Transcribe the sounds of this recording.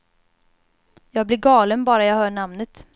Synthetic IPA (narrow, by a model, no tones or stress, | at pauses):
jɑːɡ̚blɪɾɡɑːlənbɑːɾajɑːɡhœːɳamnət̪